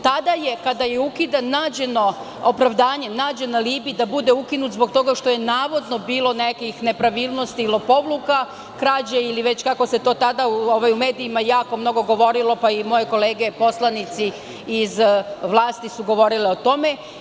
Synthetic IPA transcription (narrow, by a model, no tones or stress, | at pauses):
t̪ad̪ajekad̪aje̞ukid̪anaːd͡ʑe̞no̞ | opɾaʋd̪aːɲe̞naːd͡ʑe̞naliːbid̪abud̪eukinut̪zbo̞ɡt̪o̞ɡaʃt̪o̞je̞naːʋo̞d̪no̞biːlˠo̞nekixne̞pɾaʋiːlˠno̞st̪iːlopo̞ʋluka | kɾaːd͡ʑeiliʋet͡ɕkako̞se̞t̪o̞ːt̪ad̪aoʋajume̞ːd̪iːmajaːko̞mno̞ɡo̞ɡo̞ʋo̞ɾilˠo̞paimo̞jeko̞leːɡepo̞slˠanit̪siː | zʋlˠaːst̪isuɡo̞ʋo̞ɾileot̪o̞me